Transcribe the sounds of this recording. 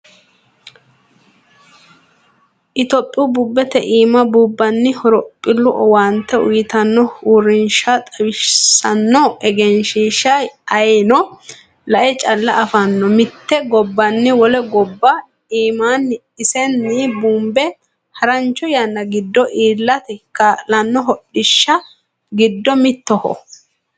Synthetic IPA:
ʔɪt̪ɔpʼːɪubuːbːɛt̪ɛʔiːmɐbubːɐnːɪhɔɾɔpʼːɪlːʊʔɔwaːnt̪ːɛʊ̰jɪt̪ɐnːɔhuːɾɪnʃat̪ʼɐwɪsɐnːɔʔɛɡɛnʃiːʃɐjɐjnɔ | lɐʔɛt͡ʃʼɐlːɐʔːfɐnːɔmɪt̪ːɛɡɔbːɐnːɪwɔlɛɡɔbːɐ | iːmaːnː | ɪsɛnːibuːmbɛ | hɐɾɐnt͡ʃːɔjɐnːɐɡɪd̪ːɔʔiːlːɐt̪ɪkːɐlɐnːɔɦɔɗɪʃːɐ | ɡɪd̪ːɔmɪt̪ːɔhɔ̰

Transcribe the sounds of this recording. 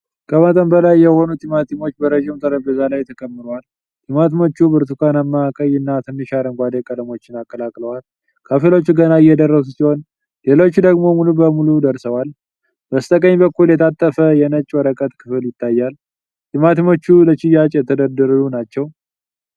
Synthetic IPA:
kʼəmət̪ʼənbəlajːɛho̞nut̪ʼimat̪ʰimo̞t͡ʃːbəɾəʒɪmt̪ʼəɾəbəzalajt̪ʰəkʼəmːɨɾowal | t̪ʼimat̪imo̞t͡ʃːubɨɾt̪ukʰanamːakʼəjɨnːat̪ʰəmːiʃaɾəŋɡʷad̪ekʼələmo̞t͡ʃːɪnakʼːəlakʼləwal | kʰəfelo̞t͡ʃːuɡənaɪjːɛd̪ərːəsusihon | le̞lo̞t͡ʃːd̪əɡmo̞mulubəmulud̪əɾsəwal | bəst̪ʼəkʼəɲbəkːuljɛt̪ʰat̪ʼːəfəjɛnət͡ʃʼːwɔɾəkʼət̪ʼkʰɨfɨljɪt̪ʰːajːal | t̪ʼimat̪imo̞t͡ʃːulət͡ʃɪjat͡ʃʼjɛt̪ʰəd̪əd̪əɾlunat͡ʃːɛw

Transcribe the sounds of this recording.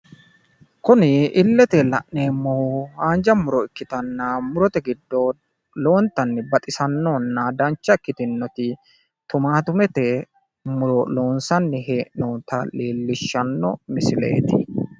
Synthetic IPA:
kʊnɪɪlːɛt̪ɛlɐ̰ʔneːmːɔhuaːnd͡ʒɐmʊɾɔɪkːɪt̪ɐnːɐmʊɾɔt̪ɛɡɪd̪ːo | lo̞ːnt̪ːɐnːɪbɐt̪ʼɪsɐnːonːɐd̪ɐnt͡ʃːɐɪkːɪt̪ɪnːɔt̪ɪ | t̪ʊmaːt̪ʊmɛt̪ɛ | mʊɾɔlo̞ːnsɐnːɪɦe̞ːʔnoːt̪ɐleːlːɪʃːɐnːɔ̰mɪsɪlḛːt̪ɪ̰

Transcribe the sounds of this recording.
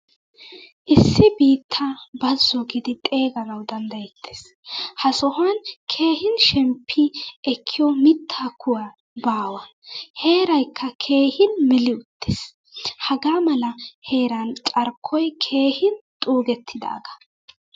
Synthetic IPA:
ʔɪsːɪbiːt̪ʰːabɐzːɔɡɪd̪ɪt̪ʼe̞ːɡɐnɐwd̪ɐnd̪ɐjɛt̪ʰːe̥ːs | hɐsɔhɐnkʰe̞ːhɪnʃɛmpʰːɪɛkʰːɪjɔmɪt̪ʰːaːkʰʊwa | baːwɐ | he̞ːɾɐjkʰːɐkʰe̞ːhɪnmɛlɪʊt̪ːes | hɐɡaːmɐlɐhe̞ːɾɐnt͡sʼɐɾkʰːɔjkʰe̞ːhɪnt̪ʼuːɡɛt̪ʰːɪd̪a̰ːɡɐ̥

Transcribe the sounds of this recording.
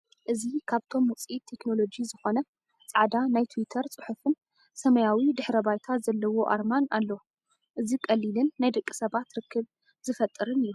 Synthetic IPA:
ʔɨzikʰaβt̪ʰo̞mwʊt͡sʼit̪ʰːe̞kno̞lo̞d͡ʒizɨxo̞nɐ | t͡sʼaʕd̪anajt̪ʰuwit̪ʰɐɾt͡sʼɨħufɨn | sɐmɐjawid̪ɨħɾɐbajt̪ʰazɐlːɐwo̞ʔa̰ɾmana̰lːɐ | ʔɨzikʼɐlːilɨnːajd̪ɐkʼːi̥sɐβat̪ɾɨkʰːɨβ | zɨfɐt̪ʼːɨɾɨnɨjːu

